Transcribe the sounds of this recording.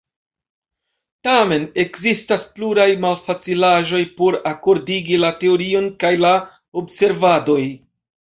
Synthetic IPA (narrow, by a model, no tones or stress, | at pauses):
tame̞ne̞kzistaspluɾajmalfat͡silaʒo̞jpo̞ɾako̞ɾdiɡilate̞o̞ɾio̞nkajla | obse̞ɾvado̞j